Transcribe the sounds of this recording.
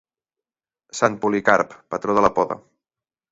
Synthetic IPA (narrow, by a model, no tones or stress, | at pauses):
sanpulikaɾpːət̪ɾoðələpɔðə̰